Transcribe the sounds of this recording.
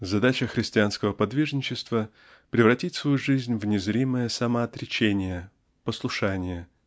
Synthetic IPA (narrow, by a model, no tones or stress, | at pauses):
zɐd̪at͡ɕəxɾʲɪsʲtʲɪanskəvəpɐd̪vʲiʐnʲɪt͡ɕɪst̪və | pɾʲɪvrɐtʲitʲsvɐjuʐɨzʲnʲvnʲɪzɾʲiməjəsɐməɐt̪ɾʲɪt͡ɕenʲɪjə | pəslˠʊʂanʲɪjə